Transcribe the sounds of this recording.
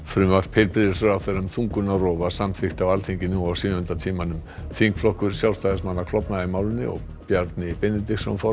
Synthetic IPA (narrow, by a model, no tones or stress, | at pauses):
fɾʏmvaɾ̥pʰɪlpɾɪðɪsœɾawθɛjɾʏmθuŋkʏnarɔːvasamθɪxt̪avalθiɲcɪnːɪawsʏːʏnt̪at̪ʰiːmanʏmθiŋkflɔhkʏɾ̥sjaw̪st̪ajðasmanːakʰlɔpnaɪmaːwlɪnːɪ̰ɔ̰ɣ | pjaɾt̪nɪipɛnːɪt̪ɪsɔmfɔɾ